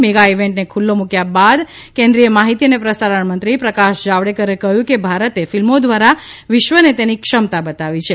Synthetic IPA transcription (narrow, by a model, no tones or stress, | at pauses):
meɡaiʋeɳʈnekʰulːomũkjabad̪ | kẽnd̪ɾijəmaɦit̪iənepɾəsaɾəɳmənt̪ɾipɾəkaʃd͡ʒaʋɽekəɾekəɦjũkebʱaɾət̪efilmod̪ʋaɾaʋɪʃʋənet̪enikʃəmt̪abət̪aʋit͡ʃʰe